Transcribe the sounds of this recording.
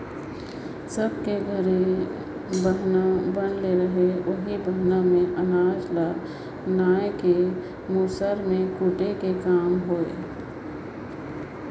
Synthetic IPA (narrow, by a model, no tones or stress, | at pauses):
sɐb̚keɡʱəɾe | bəɦnabɐnleɾɐɦeʔʊɦibəɦnamẽʔɐnaːd͡ʒla | naːjke | muːsəɾmẽkuʈekekaːmɦoːe